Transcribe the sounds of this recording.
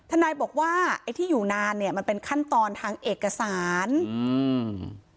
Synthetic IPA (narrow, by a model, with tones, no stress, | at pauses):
t̪ʰa˧naː˧jbɔː˨˩k̚waː˥˩ʔa˧jt̪ʰiː˥˩juː˨˩naː˧nːi˥˩ɐma˧npe˧nkʰa˥˩nt̪ɔː˧nt̪ʰaː˧ŋʔeː˨˩kːa˧saː˩˦n˧